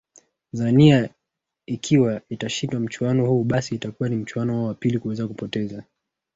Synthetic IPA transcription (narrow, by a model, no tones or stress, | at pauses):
zania | ikʰiwaitaʃindwam̩t͡ʃuanɔhuːɓasiːtakuwanim̩t͡ʃuanɔhaɔwapilikuwɛzakupɔtɛza